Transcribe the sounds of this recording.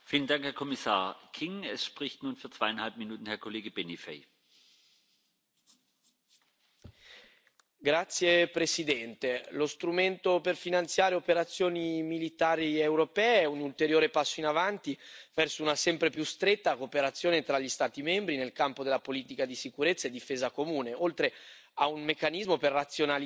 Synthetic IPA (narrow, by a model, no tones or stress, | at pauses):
fiːləndaŋkhɛɐkʰɔmisa̰ːɐkʰiŋɛsʃpʁ̥ɪçtnuːnfyːɐtt͡sv̥aɪanhalp̚minuːtn̩hɛɐkʰoleːɡəbenifḛɪ | ɡɾat̪sːjepɾesid̪ɛnt̪elost̪ɾument̪operfinant̪sjaːɾeopeɾat̪sːjoːnimilit̪aːɾiewɾopɛːeɛunult̪eɾjoːɾepasːoinavant̪ivɛrsounasɛmpɾepjust̪ɾet̪ːakoːpeɾat̪sːjoːnet̪ɾaʎːist̪aːt̪imɛmbɾinelkampod̪elːapoliːt̪ikad̪isikuɾet̪sːaed̪ːifeːzakomuːneolt̪ɾe | aunmekːanizmoperːat̪sːjonal